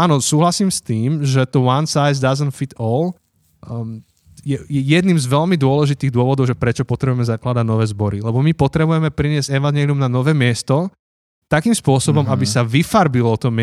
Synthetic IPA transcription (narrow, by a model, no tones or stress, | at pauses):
aːnɔsuːɦlasiːmst̪iːmʒɛt̪ɔwansajzd̪azənfit̪ɔl | jɛjɛjɛd̪nimzʋɛlmid̪ʊɔlɛʒit̪iːɣd̪ʊɔʋɔd̪ɔʊʒɛpɾɛt͡ʃɔpɔt̪ɾɛbujɛmɛzaklad̪aɟnɔʋɛːzbɔɾilɛbɔmipɔt̪ɾɛbujɛmɛpɾiɲɪɛzɟɛʋanɪɛːliumnanɔʋɛːmɪɛst̪ɔ | t̪akiːmspʊɔsɔbɔmabisaʋifaɾbilɔt̪ɔm